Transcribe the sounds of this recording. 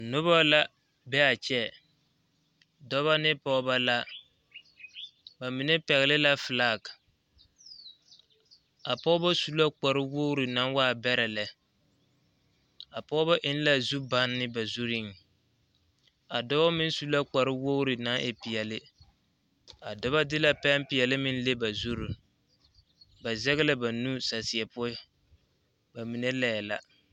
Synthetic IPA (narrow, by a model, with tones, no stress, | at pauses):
nʊ˦βa˦la˦ | bɛ˦a˨t͡ʃɛ˦ | dɔ˦βa˦nɪ˦pɔ˦ba˦la˦ | ba˨mɪ˨nɛ˦pɛ˨ɣɪ˨lɪ˦la˦fɨ˨laː˦˨k | a˨pɔː˦ba˦su˦la˦k͡pa˨ɾɪ˦wo˦ɾɪ˨na˦nwa˦˨bɛ˦ɾɛ˨lɛ˨ | a˨pɔ˦ba˦ʔɪ˦n˦la˦zu˦ba˦nːɪ˦ba˨zu˦ɾɪ˦ŋ˨ | a˨dɔ˦ba˦mɪ˦n˦su˦la˦k͡pa˨ɾɪ˦wo˦ɾɪ˨na˦ʔɪ˨pɪ˨ɛ˨lɪ˦ | a˨dɔ˦βa˦dɪ˦la˦pɛ˦mpɪ˨ɛ˨lɪ˦mɪ˦n˦le˦ba˨zu˦ɾʊ˨ | ba˨zɛ˦ɣɪ˦la˦ba˨nu˦sa˨sɪ˨ɛ˨pʊ˦ɪ˦ | ba˨mi˨ne˦lɛ˦˨jɛ˨la̰˨